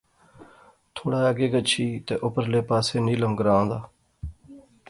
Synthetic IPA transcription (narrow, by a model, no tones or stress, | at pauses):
t̪ʰoːɽaːaɡeːɡət͡ʃʰiːt̪eːʔʊpəɾleːpaːseːniːləmɡəɾãːõːnd̪aː